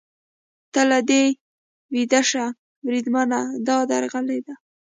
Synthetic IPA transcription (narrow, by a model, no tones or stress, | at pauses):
t̪əlad̪e | wid̪aʂa | mɾid̪manad̪ɑd̪aɾɣaled̪a